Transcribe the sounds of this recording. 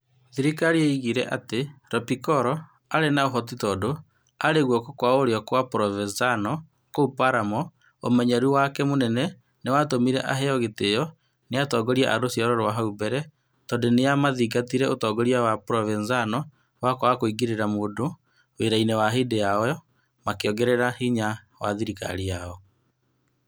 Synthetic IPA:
ðiɾikaɾieiɣiɾɛʔateɾɔpikɔɾɔ | aɾenaoɦɔt̬itɔːdo | aɾeɣwɔkɔkwaoɾeɔkwapɾɔvɛnzanɔ | koupaɾamɔ | o̰mɛɲaɾuwakɛmonɛnɛ | newatomiɾɛ̰ʔaɦeɔɣetejɔ | neatɔːɡɔɾiaʔaɾosiɔɾɔɾwaɦaubɛɾɛ | tɔndenejamaðiɡatiɾɛʔotɔːɡɔɾiawapɾɔvɛnzanɔ | wakowakoiɡiɾeɾamoːdo | weɾainɛwaɦedejaɔjɔ | makeɔɡɛɾɛɾahiɲa | wa̰ðiɾika̰ɾiaɔ

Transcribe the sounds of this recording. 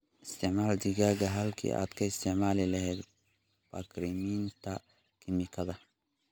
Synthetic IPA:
ʔɪst̪ʰɪʕmaːld̪ɪɣaːɣɐɦɐlkʰḭːʔa̰ːd̪kʰɐɪst̪ʰɪʕmaːlɪlɐɦɛːd̪ | b̥ɐkɾimiːnt̪ʰɐ | kʰɪmɪkʰɐðɐ

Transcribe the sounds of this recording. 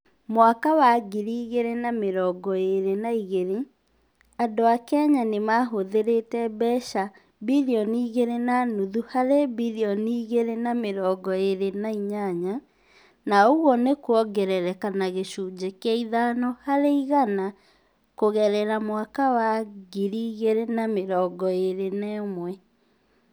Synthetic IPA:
mwakawaɡiɾiːɣeɾenameɾɔːɡɔeɾenaiɣeɾe | adoakɛɲanemaɦoðeɾetɛbɛʃa | biliɔniːɣeɾenanuðuhaɾebiliɔniːɣeɾenameɾɔːɡɔeɾenaiɲaɲa | naoɣɔnekwɔɡɛɾɛɾɛkanaɣeɕud͡ʑekeɛiðanɔhaɾeiɣana | koɣɛɾɛɾamwakawaɡiɾiːɣeɾenameɾɔːɡɔeɾenɛːmwɛ

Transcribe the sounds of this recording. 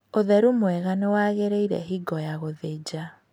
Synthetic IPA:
oðɛɾumwɛɣanewaɣeɾeiɾɛ̰ɦiɡɔjaɣoðed͡ʑa

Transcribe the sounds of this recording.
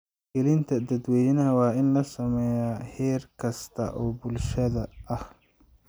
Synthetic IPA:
ɡɛlɪnt̪ʰɐd̪ɐd̪wɛːjnɐɦɐwɑːɪnlɐsɐmɛːjaːhɛːrkʰɐst̪ʰɐ̰ʔɔːbʊlʃɐðɐɐh

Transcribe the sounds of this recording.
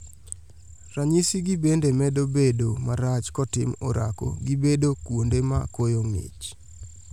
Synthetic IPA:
raɲisiɡibendemɛdobedomaɾat͡ʃkɔtɪmɔɾʔa̰ko̰ɡibedokwondemakojoŋḭt͡ʃ

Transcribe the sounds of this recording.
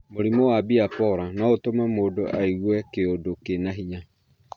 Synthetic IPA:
moɾimowabiapɔɾanɔotomamoːdoʔaiɣwɛkeodokenaɦiɲa

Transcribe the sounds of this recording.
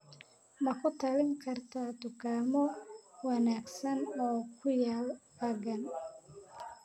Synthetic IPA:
mɐkʰʊt̪ʰɐlɪŋkʰɐrt̪ʰat̪ʊkʰaːmɔwɑnaːɡsɐnɔːkʰʊjaːl | ɐɡɐn

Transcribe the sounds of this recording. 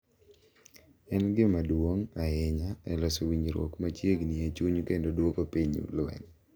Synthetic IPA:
ɛnɡɪmadwoŋaɪɲaɛ̰lɔsowiɲiɾwɔ̰kmat͡ʃjeɡnɪat͡ʃuɲkendodwokopiɲṵlwɛ̰ŋ

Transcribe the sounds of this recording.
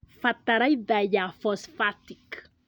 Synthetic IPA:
fat̪aɾajd̪ajafɔsfat̪ik

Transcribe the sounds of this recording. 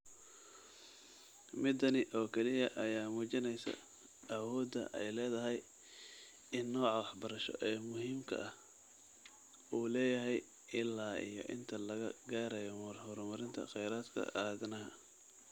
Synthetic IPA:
mɪd̪ɐnɪʔɔːkʰɛlɪjɐʔɐjaːmuːt͡ʃɪnɛjsɐ̰ | ɐwɔːd̪ɐ̰ʔɛ̰jlɛːðɐɦɛj | ɪnːɔːʕɑwɑħbɐɾɐʃɔ̰ʔɛːmʊɦiːmkʰɐ̰ɐh | uːlɛːjɐɦɛj | ɪlːaːʔḭjɔ̰ʔɪ̰nt̪ʰɐlɐɣɐɡaːɾɐjɔmɐrhɔɾmɐɾɪnt̪ʰɐ̰χɛjɾaːd̪kʰɐ̰ʔɐðɐnɐɦɐ̰

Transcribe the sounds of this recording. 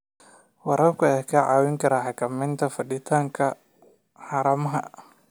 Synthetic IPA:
wɑɾɐrkʰʊɛkʰɐʕɑːwɪŋkʰɐɾaħɑkʰɐmɛnt̪ʰɐfɐɗɪt̪ʰaːŋkʰɐ | ħɑːɾɐmɐɦɐ̰

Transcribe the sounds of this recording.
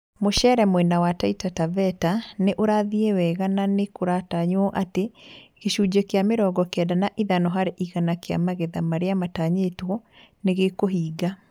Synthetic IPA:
moʃɛːɾɛmwɛnawataitatavɛtaneʔoɾaðiewɛɣananekoɾataɲɔʔateɣeʃud͡ʑɛkeameɾɔːɡɔkɛdanaʔiðanɔɦaɾeʔiɣanakea̰maɣɛðamaɾeamataɲetwɔ | neɣekoɦiːɡa

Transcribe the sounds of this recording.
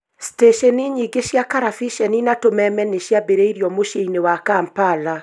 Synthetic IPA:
steʃɛniɲiɡeʃjakaɾafiʃɛninatomɛmɛneʃjabeɾeiɾjɔmoʃeinewakampala

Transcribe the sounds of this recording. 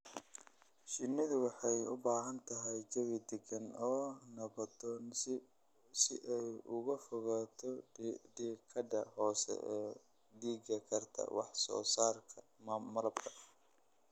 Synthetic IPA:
ʃɪnːɪðʊwɑħɑjʊ̰baːɦɐnt̪ʰɐɦɛjt͡ʃɐwɪd̪ɛɡɐnɔːnɐβɐt̪ɔn | sɪʔɛjʊɣɐfʊɣat̪ʰɔɖiːkʰːɐdɐhɔːsɛ̰ɛː | ɖiːɡɐkʰɐrt̪ʰɐ̰wɑħsɔ̰ːsaːrkʰɐ | mɐlɐbkʰɐʔɐ

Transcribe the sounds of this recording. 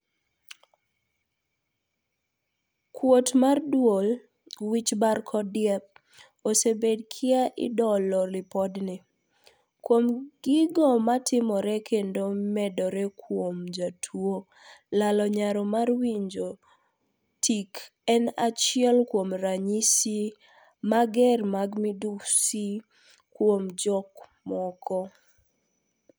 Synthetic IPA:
kwotmardwol | wit͡ʃbarkʰɔdɪjɛp̚ | osebedkʰɪaʔɪ̰dɔlɔlɪpɔdnɪ | kwomɡ̥ɪɡɔmatʰɪmɔɾɛkʰendomɛdɔɾɛkʰwomd͡ʒatʰwo | lalɔɲaɾɔmarwiɲd͡ʒo | tʰik | ɛnat͡ʃɪɛlkwomɾaɲisi | maɡɛrmaɡmidusi | kwomd͡ʒɔkmɔkʰɔ

